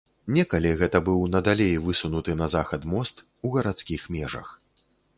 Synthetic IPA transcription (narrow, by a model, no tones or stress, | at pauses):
nʲɛkɐlʲiɣɛt̪ɐbɨwnɐd̪alʲejvɨsunut̪ɨnɐzaxɐt̪mɔst̪ | uɣɐɾat̪skʲixmʲɛʐɐ̰x